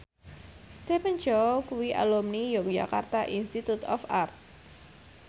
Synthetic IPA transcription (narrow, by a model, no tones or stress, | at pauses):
st̪ɛpənd͡ʒowkuwiʔa̰lɔmnijok̚d͡ʒa̰kart̪aʔinst̪it̪ut̪ɔ̰fart̪̚